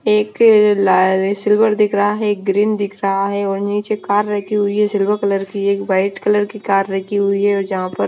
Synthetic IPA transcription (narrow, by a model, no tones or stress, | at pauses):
eːklsɪlʋəɾd̪ɪkʰɾɐɦaɦɛeːk̚ɡɾiːnd̪ɪkʰɾɐɦaɦɛɔːɾniːt͡ʃekaːɾːɐkʰiɦʊiɦɛsɪlʋəɾkɐləɾkieːkʋaːɪʈkɐləɾkikaːɾːɐɦkʰiɦʊiɦɛɔːɾd͡ʒɐɦãpɐɾ